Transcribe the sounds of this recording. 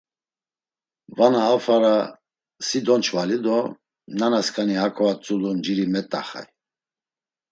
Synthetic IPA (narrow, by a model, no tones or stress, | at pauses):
vanaːfaɾa | sid̪ɔnt͡ʃʰvalid̪ɔ | nanaskʰʼanihakʰɔvat͡sʼulund͡ʒiɾimɛt̪ʼaχa̰j